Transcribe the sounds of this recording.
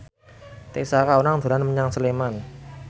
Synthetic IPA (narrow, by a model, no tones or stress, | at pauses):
t̪esakaunaŋd̪̥o̤lanməɲaŋsəleman